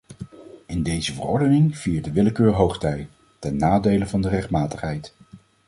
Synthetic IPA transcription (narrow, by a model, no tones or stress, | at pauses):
ɪndejzəvə̰rɔɹdənɪŋv̥iːɹ̚dəʋɪləkøːɹɦowχtɛj | tɛnːaːdejləvɑndərɛχtmaːtəχɦɛjt